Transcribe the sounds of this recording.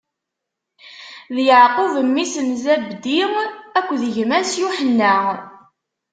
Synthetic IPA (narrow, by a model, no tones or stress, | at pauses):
ðjəʕqʊvəmːisənzæbd̪iʁækʷːðəʝmæsjuħənːæ